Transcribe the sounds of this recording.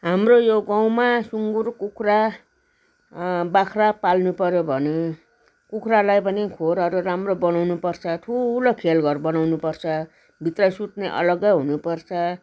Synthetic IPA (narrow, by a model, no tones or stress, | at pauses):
ɦamrojoɡaw̃masuŋɡurkukʰra | bakʰrapalnupʌɾjobʱʌne | kukʰralajpʌnikʰoɾʌɾuɾamrobʌnawnupʌrt͡sʰʌʈʰulopʰelɡʌrbʌnawnupʌrt͡sʰʌ | bʱit̪rʌsuʈneʔʌ̰lʌɡʌjɦunupʌrt͡sʰʌ